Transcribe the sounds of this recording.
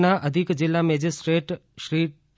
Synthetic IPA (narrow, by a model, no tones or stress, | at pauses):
naʔəd̪ʱikd͡ʒɪlːamɛd͡ʒisʈɾeʈʃɾi